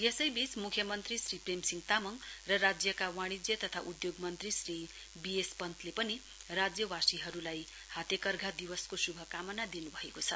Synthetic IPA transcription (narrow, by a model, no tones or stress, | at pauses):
jesʌjbit͡smukʰːjʌmʌnt̪risripremsiŋt̪amʌŋrʌrad͡zjʌkawaɽ̃id͡zjʌt̪ʌt̪ʰaʔud̪joɡmʌnt̪risri | biespʌnt̪ʰlepʌni | rad͡zjʌwasiɦʌɾulaj | hat̪ekʌrɡʱad̪iwʌskosubʱʌkamʌnad̪inubʱʌekot͡sʰʌ